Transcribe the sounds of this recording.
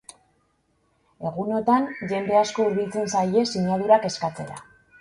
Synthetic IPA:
e̞ɣuno̞t̪anʝe̞nd̪e̞asko̞uɾβilt͡se̞nsaje̞siɲaðuɾake̞skat͡se̞ɾa̰

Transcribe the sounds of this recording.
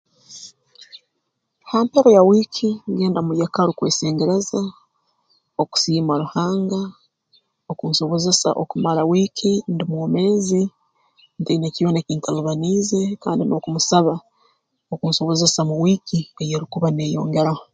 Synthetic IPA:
haːmpe̞ɾojawiːkʰiŋɡe̞ːndamujekaɾukwḛːseːŋɡeɾeza | oku̥siːmaɾuhaːŋɡa | okuːnso̞βo̞zesa̰ʔokumaɾawiːkʰindimwoːme̞ːzi | nteneciβonekiːntʰaluβaniːze̞kaːndino̞ːkumusaβa | okunso̞βo̞zesamuwiːkiejeɾukuβane̞ːjo̞̰ːŋɡe̞ɾa

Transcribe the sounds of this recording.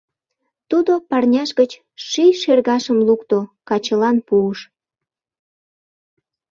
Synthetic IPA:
t̪ud̪opɑrnʲɑʃɣət͡ɕ | ʃijʃerɣɑʃəmlukt̪okɑt͡ɕəlɑnpuəʃ

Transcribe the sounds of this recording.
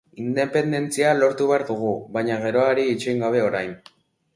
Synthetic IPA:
ind̪e̞pe̞nd̪e̞nt͡sialo̞ɾt̪uβeaɾðuɣ̞uβajɲaɣ̞e̞ɾo̞aɾiːt͡ʃejŋɡaβ̞e̞o̞ɾajn

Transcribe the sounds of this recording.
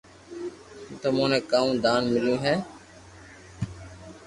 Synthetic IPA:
t̪omũːnẽːkaːũːd̪aːnmɪljũːɦɛː

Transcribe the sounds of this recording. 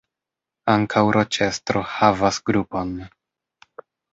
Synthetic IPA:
aŋkʰawɾʔot͡ʃɛst̪ɾɔhavasɡɾupon

